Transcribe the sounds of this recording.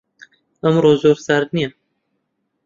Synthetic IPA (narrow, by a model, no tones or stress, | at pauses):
əmɾozoɾsaɾni